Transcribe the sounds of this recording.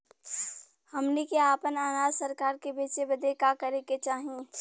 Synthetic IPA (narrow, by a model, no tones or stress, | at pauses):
hɐmnikeaːpənaːnaːd̪səɾkaːɾkebeːt͡ʃebəd̪ʱekakəɾeket͡ʃaːɦĩ